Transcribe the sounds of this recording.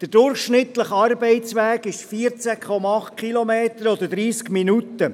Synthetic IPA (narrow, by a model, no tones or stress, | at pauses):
d̥əɾdʊɾχʃnɪt̪ləχɑɾbɛɪtt͡sʋæːɡɪʃfiːəɾt͡sækχɔmɑɑχt̚kʰχilɔmeːt̪əɾɔd̥̪əd̥̪ɾiːskminutə